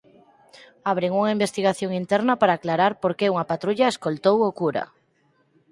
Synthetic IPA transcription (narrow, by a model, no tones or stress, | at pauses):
aβ̞ɾeŋuŋaimbest̪iɣ̞aθjoŋint̪ɛɾnɐpaɾaːklaɾaɾpoɾkeuŋapat̪ɾuʎaeskolt̪owokuɾa̰